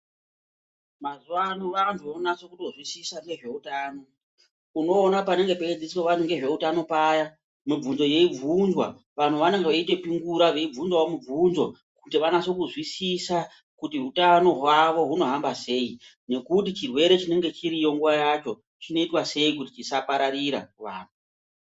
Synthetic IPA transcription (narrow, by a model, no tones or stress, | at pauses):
mazuwanoʋantʰuʋonaso̞kutozwisisaŋeʐe̞utaːno̞ | uno̞ːnapane̞ŋɡeped͡zisweʋantuŋɡe̞ʐe̞utano̞paːja | mib͡vunzo̞je̞ib͡vʱunzwa̰ | ʋan̤uʋaneŋɡeʋaite̞piŋɡuɾaʋe̞ib͡vunzwaomub͡vunzo̞ | kutiʋanaso̞kuzwisisa | kutiɦutano̞ɦwaʋo̞ɦuno̞ɦambase̞ːi | ne̞kutit͡ʃirwe̞ɾe̞t͡ʃine̞ŋɡe̞t͡ʃiɾijo̞ŋɡuʋajat͡ʃo̞ | t͡ʃino̞itwase̞ikutit͡ʃisapaɾaɾiɾa̰kuʋaːn̤u